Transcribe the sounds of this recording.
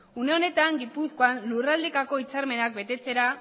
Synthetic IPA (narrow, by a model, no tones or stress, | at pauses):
une̞o̞ne̞t̪aŋɡipusko̞anlurald̪ekako̞it͡saɾme̞nak̚be̞t̪e̞t͡se̞ɾa